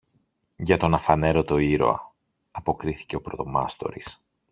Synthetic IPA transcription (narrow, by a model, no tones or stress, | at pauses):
ʝɐt̪o̞nɐfɐne̞ɾo̞t̪o̞iɾo̞̰ɐ̰ | ɐpo̞kɾiθi̥ce̞o̞pɾo̞t̪o̞mɐ̰st̪o̞̰ɾis